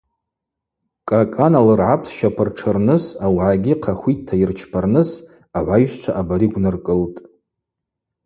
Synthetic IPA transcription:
kʼakʼanalɨrʕapʰsʃapʰɨrʈ͡ʂʰɨrnɨsawʕaɡʲiqʰaχʷitʰːairt͡ʃʰpʰarnɨs | aʕʷajʒʷt͡ʃʷʰaʔabaɾiɡʷnɨrkʼɨltʼ

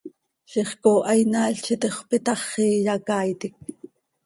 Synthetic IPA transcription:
ʃiχkoːʔɑjnɑːɬt͡ʃit̪eχʷpit̪ɑχːiːjɑkɑːjt̪ik̚

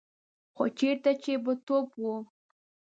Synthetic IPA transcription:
xot͡ʃeɾt̪at͡ʃebət̪opwu

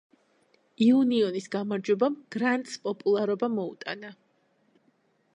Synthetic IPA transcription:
iuniɔnisɡamaɾd͡ʒwɛbamɡ̥ɾant̪ʼspʼɔpʼulˠaɾɔbamɔṵt̪ʼana

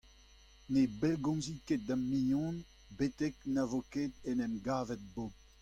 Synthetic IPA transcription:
nebɛlɡɔ̃nziket̚d̪amijɔ̃n | bet̪ɛknavokeːd̪ɛnɛmɡaːvɛt̪̚bop

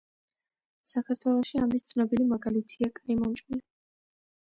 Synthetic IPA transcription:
sakʰaɾt̪ʰwɛlˠɔʃiamist̪sʰnɔbilimaɡalit̪ʰiakʼɾimɔnt͡ʃʼuli

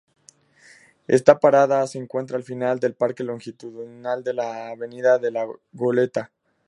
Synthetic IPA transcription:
e̞̰st̪apaɾaðaseːŋkwe̞nt̪ɾaːlfinald̪e̞lpaɾke̞lo̞ŋxit̪uðnald̪e̞laːβe̞niðaðe̞laɣo̞le̞t̪a

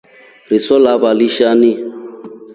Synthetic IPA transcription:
risɔlabaliʃani

